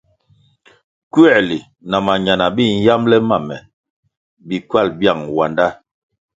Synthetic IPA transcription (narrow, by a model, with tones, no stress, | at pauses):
kɥɛ˦˨li˨ | na˨ma˨ɲa˨na˨bi˦˨n̩˦ja˦mlɛ˦ma˦˨mɛ̰˨ | bi˨kwa˦˨lbja˦˨ŋwa˨nda˦